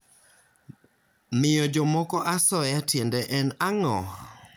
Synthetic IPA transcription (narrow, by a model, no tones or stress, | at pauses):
mɪjɔd͡ʒɔmɔkɔʔasɔjatjendɛʔɛnaŋɔ̰h